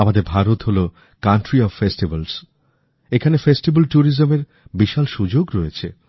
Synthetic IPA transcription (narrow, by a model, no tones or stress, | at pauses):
amad̪eɾbʱaɾot̪ɦolo | kaɳʈɾiɔffesʈibals | ekʰanefesʈibalʈuɾizomeɾ | biʃalʃud͡ʑoɡɾɔet͡ɕʰe